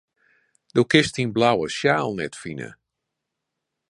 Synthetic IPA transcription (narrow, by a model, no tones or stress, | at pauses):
d̥owkɪstinblawəsjaːlˠnɛtfinə̰